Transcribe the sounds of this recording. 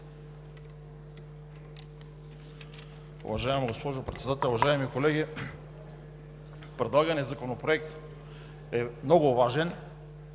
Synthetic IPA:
ṵvɐʒaɛmɡospɔʒopɾɛt̪sɛd̪at̪ɛlˠʊvɐʒaɛmikolɛɡʲi | pɾɛd̪lˠaɡɐnɛzɐkonopɾoɛkt̪ | ɛmnɔɡʊvaʒɛn

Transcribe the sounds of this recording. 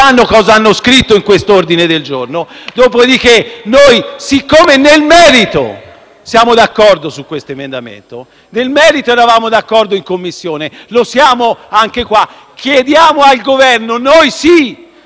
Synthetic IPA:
anːokɔːzaanːoskɾit̪ːoiŋkwest̪oord̪ined̪eld͡ʒornod̪oːpod̪ik̟enojsikːomenelmɛːɾit̪o̰ | sjaːmod̪akːɔrd̪osukːwest̪oemend̪amḛnt̪o | nelmɛːɾit̪oɛɾavaːmod̪akːɔrd̪oiŋkomːisːjoːnelosjaːmoaŋk̟ekwa | kʰːjed̪jaːmoalɡovɛrnonojsi

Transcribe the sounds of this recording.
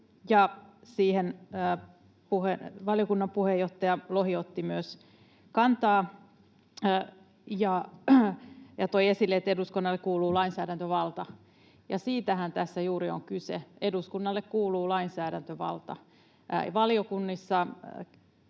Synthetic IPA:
jɑsiːhenː | puheʋɑljokunːɑmpuhejoht̪ːɑjɑlohiot̪ːimyøs | kɑnt̪ɑː | jɑ | jɑt̪oiesilːeet̪ːeduskunːɑlːekuːluːlɑinsæːdænt̪øʋɑlt̪ɑ | jɑ̰siːt̪æhænt̪æsːæjuːɾioŋkysḛeduskunːɑlːekkuːluːlɑinsæːdænt̪øʋɑ̰lt̪ɑ̰ | ʋɑlijokunːisːɑ

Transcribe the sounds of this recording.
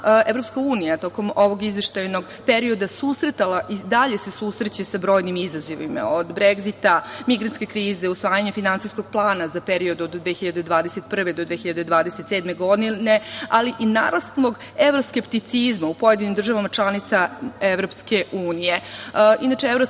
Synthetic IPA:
evɾo̞pskauːnijat̪o̞ko̞moʋo̞ɡizʋeʃt̪ajno̞ɡ | pe̞ɾio̞d̪asusɾet̪alaʔid̪aʎe̞sesusɾet͡ɕesabɾo̞ːjnimizazoʋḭma̰od̪bɾeɡzit̪amiɡɾant̪skʲe̞kɾiːzeusʋaːjaɲe̞finansijsko̞ɡ̥̚plˠaːnazapeɾio̞d̪uod̪d̪ʋexçiʎad̪ed̪ʋaːd̪ese̞t̪pr̩ʋed̪od̪ʋexiʎad̪ed̪ʋaːd̪eset̪seːd̪me̞ɡo̞d̪inealiʔina̰ɾast̪lˠo̞ɡ | e̞ʋɾo̞skept̪it̪sizmaupo̞jed̪inimd̪r̩ʒaʋamat͡ʃlˠanit̪saeʋɾo̞pske̞ʔuːnije̞inat͡ʃeevɾo

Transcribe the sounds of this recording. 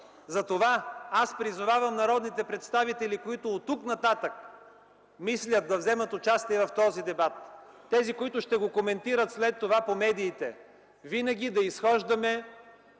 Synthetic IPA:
zɐt̪ovaaspɾizʊvavɐmnɐɾɔd̪nit̪ɛpɾɛt̪st̪avit̪ɛlikoit̪ʊːt̪ːuknɐt̪at̪ək̚ | mislʲət̪̚ːɐvzɛmət̪ot͡ʃast̪iɛvɐft̪ɔzid̪ɛbat̪ː | ɛzikoit̪ʊʃt̪ɛɡokomɛnt̪iɾət̪slɛt̪ːovapomɛd̪iːt̪ɛ | vinɐɡ̟ʲid̪ɐisxɔʒd̪ɐmɛ

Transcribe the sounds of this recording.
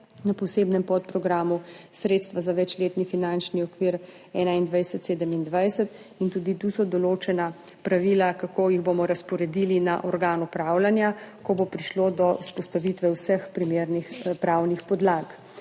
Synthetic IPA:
napɔseːbnɛmpɔt̪̚pɾɔɡɾaːmusɾeːt̪st̪ʋazaʋɛt͡ʃleːt̪nifinant͡ʃniɔkʋiːɾ | ɛːnaind̪ʋajsɛt̪seːd̪əmind̪ʋajsət̪ | int̪uːd̪it̪usɔd̪ɔloːt͡ʃɛna | pɾaʋiːlakakoːjiɣbomɔɾaspɔɾɛd̪ilina̰ʔɔɾɡaːnupɾawlanjakɔbopɾiʃlod̪ɔuspɔst̪aʋiːt̪ʋɛwsəxpɾimeːɾnixpɾawnixpɔd̪laːk

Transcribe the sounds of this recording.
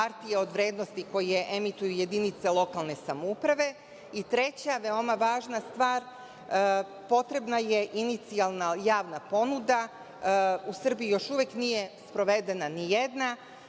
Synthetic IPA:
paɾt̪ijeo̞d̪ʋɾe̞ːd̪no̞st̪iko̞je̞ʔemit̪ujuje̞d̪init̪selˠo̞kalˠne̞samoupɾaʋe̞ | it̪ɾe̞t͡ɕaʋe̞o̞maʋaːʒnast̪ʋaːɾ | po̞t̪ɾe̞bnaje̞ʔinit̪sialˠnajaːʋnapo̞nud̪a | usr̩bijijo̞ʃuʋeknije̞spɾo̞ʋe̞d̪e̞nanijed̪na

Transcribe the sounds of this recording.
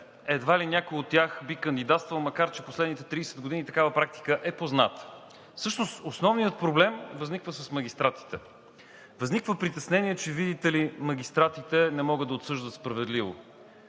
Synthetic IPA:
ɛd̪valinʲakojot̪ːʲjaxbikənd̪id̪at̪st̪vəlˠmɐkaɾt͡ʃɛposlɛd̪nit̪ɛt̪ɾidɛsɛd̪ɡod̪init̪ɐkavəpɾak̚t̪i̥kəʔɛpoznat̪ | fsɤʃnost̪osnɔvnijət̪̚pɾoblɛmvəznikvəsəsməɡʲist̪ɾat̪i̥t̪ɛ | vəznikvəpɾit̪ɛsnɛniɛt͡ʃɛvid̪it̪ɛlimɐɡ̟ʲist̪ɾat̪it̪ɛnɛmɔɡɤd̪ɐot̪sɤʒd̪ət̪spɾɐvɛd̪livo̰

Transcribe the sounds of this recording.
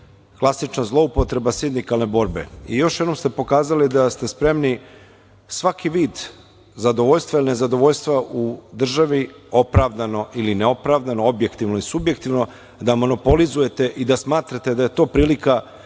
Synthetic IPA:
klˠasit͡ʃnazlˠo̞upo̞t̪ɾe̞basind̪ikalˠne̞bo̞ːɾbe̞̰ijo̞ʃjed̪o̞mst̪e̞po̞kaːzalid̪ast̪e̞spɾe̞mni | sʋakiʋiːd̪ | zad̪o̞ʋoʎst̪vailine̞zad̪o̞ʋo̞ʎst̪vʋaʔud̪r̩ʒaʋio̞pɾaʋd̪ano̞ʔilineo̞pɾaʋd̪anoo̞bje̞kt̪iʋnoisubje̞kt̪iʋno̞ | d̪amo̞no̞po̞lizuje̞t̪e̞ʔid̪asmaːt̪ɾat̪e̞d̪aje̞t̪o̞ːpɾiːlika

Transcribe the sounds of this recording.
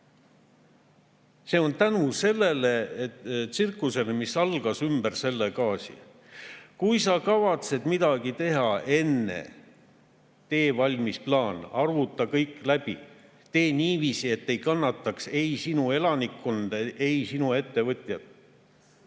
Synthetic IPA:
se̞ːo̞nt̪ænuse̞lːe̞le̞et̪sirkːˑuse̞lemisɑlɡ̥ɑsymb̥ærse̞lːekɑːsḭ | kujs̬ɑkɑvɑt̪se̞d̪̥mid̪̥ɑɡ̥it̪e̞ɦɑe̞nːḛ | t̪e̞ːvɑlʲmisplɑːnɑrvut̪ːˑɑkɤjkːˑlæb̥i | t̪e̞ːniːviːsie̞t̪ːe̞jkɑnːɑt̪ˑːɑkse̞jsinue̞lɑnikːo̞nd̪̥ɑʔe̞jsinue̞t̪ːe̞vɤt̪ʲˑjɑd̪

